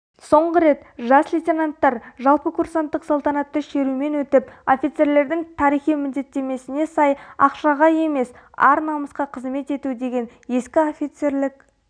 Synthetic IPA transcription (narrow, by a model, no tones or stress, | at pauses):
so̞ɴʁəɾe̞t̪ʒɑsvʲit̪ʲenant̪ːɑɾʒɑlˠpəkʰuɾsant̪ːəqsolˠt̪ɑnɑt̪ːəʃe̞ɾume̞nwɵt̪ɪpo̞fʲijt̪se̞ɾle̞ɾd̪ɪŋt̪ʰɑɾijχijmɪld̪e̞t̪ːe̞me̞sɪnesɑjɑ̰qʃɑʁɑje̞me̞s | ɑ̰ɾnɑməsqɑqʰəzme̞t̪e̞t̪ud̪e̞ɡʲe̞n | je̞skʲɪofʲijt̪se̞ɾlɪk